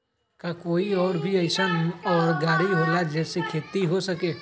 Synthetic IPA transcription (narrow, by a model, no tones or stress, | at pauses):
kakoːiɔːɾbʱiəɪsənɔːɾɡaːɽiɦoːlad͡ʒɛːsekʰeːt̪iɦosɐkeː